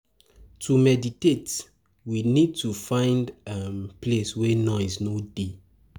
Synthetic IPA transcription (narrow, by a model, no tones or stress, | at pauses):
tʰumɛditet | winid̚tufãɪ̃ndampleswɛnɔ̃ɪznode